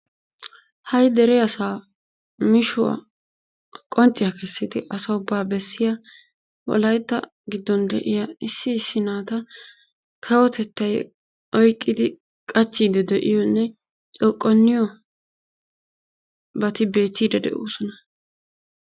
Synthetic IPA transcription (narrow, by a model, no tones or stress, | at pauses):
hɐjd̪ɛɾɛjɐsaː | mɪʃʊwɐ̰ | kʼɔnt͡ʃʼːɪjakɛsːɪd̪ɪʔɐsɐʊbːaːbɛsːɪja | wɔ̰lɐjt̪ːɐ̰ | ɡɪd̪ːɔnd̪ɛ̰ʔɪjaɪsːɪːsːɪnaːt̪ɐ | kʰɐwɔt̪ɛt̪ːɐj | ʔɔjkʼːɪd̪ɪ | kʼɐt͡ʃːiːd̪ɛd̪ɛʔɪjɔnːɛ | t͡ʃʼɔkʼːɔnːɪjɔ | bɐt̪ɪbe̞ːt̪ːiːd̪ɛd̪ɛ̰ʔṵːsɔnɐ